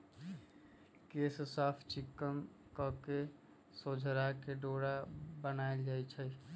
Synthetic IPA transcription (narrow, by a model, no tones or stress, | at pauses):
kessapʰt͡ʃikːən | kəke | sod͡ʒʱəɾakeɖoɽabənaeld͡ʒajt͡ʃʰəj